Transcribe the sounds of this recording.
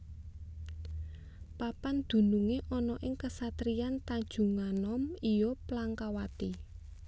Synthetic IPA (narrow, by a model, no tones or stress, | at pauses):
papand̪̥ṳnuŋeʔɔnɔʔɪŋkəsat̪ɾijant̪aɲ̥d͡ʒ̥ṳŋanɔmijɔplaŋkawat̪i